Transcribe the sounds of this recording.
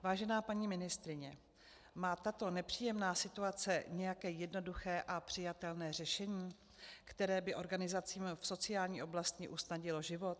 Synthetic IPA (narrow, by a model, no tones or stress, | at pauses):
vaːʒɛnaːpaɲiːmɪnɪst̪ɾɪɲɛ | maːt̪at̪o̞nɛpr̝̥iːjɛmnaːsɪt̪uat͡sɛɲɛjakɛːjɛdno̞duxɛːʔapr̥ɪjat̪ɛlnɛːr̝ɛʃɛɲiː | kt̪ɛɾɛːbɪʔo̞ɾɡanɪzat͡siːmfso̞t͡sɪjaːlɲiːʔo̞blast̪cɪʔusnaɟɪloʒɪvo̞t̪